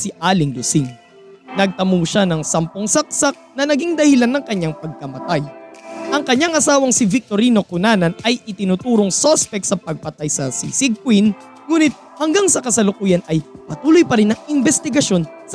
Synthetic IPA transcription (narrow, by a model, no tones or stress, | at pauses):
sɪʔaːlɪŋlʊsɪŋ | nɐɡ̚t̪ɐmuːʃanɐŋsɐmpoŋsɐk̚sak̚nɐnɐɡiŋd̪ɐhɪlanːɐŋkɐɲːaŋpɐɡ̚kɐmɐt̪ajʔɐŋkɐɲːaŋʔɐsaːwɐŋsɪvɪk̚t̪oɾiːno̞kʊnaːnɐnɐjʔɪt̪ɪnut̪uːɾoŋsospɛk̪̚sɐpɐɡ̚pɐt̪ajsɐsḭsɪɡ̚kwin | ŋuːnɪt̪̚hɐŋɡaŋsɐkɐsɐlʊkuːjɐnʔɐjpɐt̪uːlojpɐɾɪnːɐŋɪmbɛst̪ɪɡɐʃo̞n | s